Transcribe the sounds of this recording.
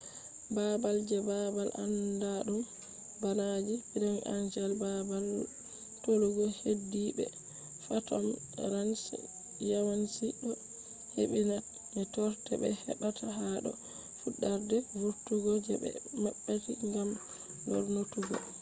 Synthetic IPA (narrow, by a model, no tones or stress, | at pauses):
babald͡ʒɛbabalʔa̰ndaɗum | banad͡ʒibiɾɛŋʔa̰nd͡ʒalbabal | toluɡɔhedːibɛ̰ | fatɔ̰m | ɾans | jawansiɗɔ | heɓina | mɛtɔɾtɛbɛ̰hɛ̰ɓatʰaɦaɗɔ̰ | fuɗːaɾdɛwuɾtuɡɔd͡ʒɛ̰bɛ̰maɓːatiŋɡam | dɔ̰ɾnotuɡɔ̰